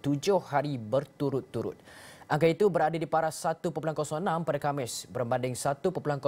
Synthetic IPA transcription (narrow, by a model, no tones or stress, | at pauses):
t̪ud͡ʒʊhːaɾibərt̪uɾʊt̪ːuɾʊ̰t̪̚ʔaŋkait̪ubəɾadadipaɾasat̪upəp̬ulankɔsɔŋənãmpadakamɪsbəɾmbandɪŋsat̪upəpulankɔ